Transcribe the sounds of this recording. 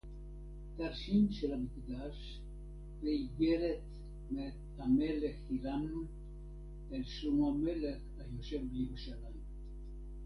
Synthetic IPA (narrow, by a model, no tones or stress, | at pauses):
t̪aʁʃimʃelamikd̪aʃ | veiɡeɾet̪ | met̪hameleχilamnu | elʃumamele̞χhajo̞ʃevbejeʁuʃalajm